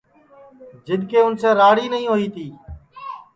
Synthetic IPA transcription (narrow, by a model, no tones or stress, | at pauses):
d͡ʒɪɗ̪ʱkeːʊnsẽːɾaːɽiːnəɦĩːɦoːiːt̪iː